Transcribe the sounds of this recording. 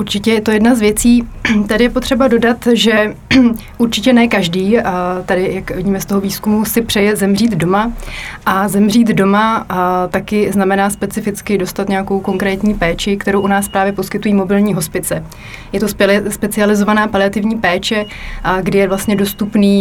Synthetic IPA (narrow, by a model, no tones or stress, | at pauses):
ʔuɾt͡ʃɪcɛjɛt̪ojɛdnazvjɛt͡siːt̪adɪjɛpo̞t̪r̝̥ɛbado̞dat̪ʒɛ | ʔuɾt͡ʃɪcɛnɛkaʒdiːt̪adɪjakvɪɟiːmɛst̪o̞ɦoviːskumusɪpr̥ɛjɛzɛmr̝iːd̪do̞maʔazɛmr̝iːd̪do̞mat̪akɪznamɛnaːspɛt͡sɪfɪt͡skɪdo̞st̪at̪ɲɛako̞wko̞ŋkɾɛːt̪ɲiːpɛːt͡ʃɪkt̪ɛɾowʔunaːspɾaːvjɛpo̞skɪt̪ujiːmo̞bɪlɲiːɦo̞spɪt͡sɛ | jɛt̪o̞sspɛt͡sɪalɪzo̞vanaːpalɪat̪ɪvɲiːpɛːt͡ʃɛ | ɡdɪjɛvlast̪ɲɛdo̞st̪upniː